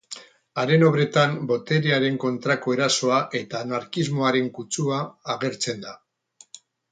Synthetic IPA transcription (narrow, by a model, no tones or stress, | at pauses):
aɾe̞no̞βɾe̞t̪ambo̞t̪e̞ɾeaɾe̞ŋko̞nt̪ɾako̞e̞ɾaso̞aʔe̞t̪aːnaɾkizmo̞aɾe̞ŋkut͡suaːɣ̞e̞ɾt͡se̞nd̪a